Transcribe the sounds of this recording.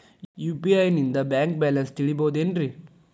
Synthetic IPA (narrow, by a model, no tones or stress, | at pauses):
juːpiɐjnind̪ɐbjaːŋk̚baːlɐnst̪iɭiboːd̪eːnɾi